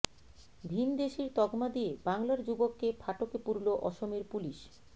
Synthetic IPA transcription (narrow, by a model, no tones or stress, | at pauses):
bʱind̪eʃiɾt̪ɔɡmad̪ijebaŋlaɾd͡ʑubokːepʰaʈokepuɾloʔɔʃomeɾpuliʃ